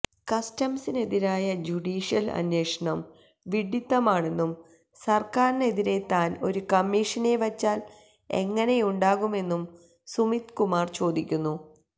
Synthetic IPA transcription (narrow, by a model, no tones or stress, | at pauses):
kɐstɐmsine̞ðiɾaːjɐd͡ʑuɖiːʂijɐlɐ̰nwe̞ːʂɐɳɐm | ʋiɖit̪ːɐmaːɳe̞nːum | sɐrkaːɾine̞ðiɾe̞t̪ːaːno̞ɾukɐmːiːʂɐne̞ʋɐt͡ɕːaːl | e̞̰ŋːɐne̞juɳɖaːɣume̞nːum | sumit̪kumaːrt͡ɕo̞ːd̪ikʲːunːu